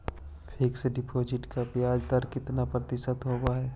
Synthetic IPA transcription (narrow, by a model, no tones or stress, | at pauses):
pʰɪksɖɪpʰoːd͡ʒɪʈkapjaːd͡ʒd̪aɾkɪt̪napɾɐt̪ɪʃət̪ɦobaɦɛ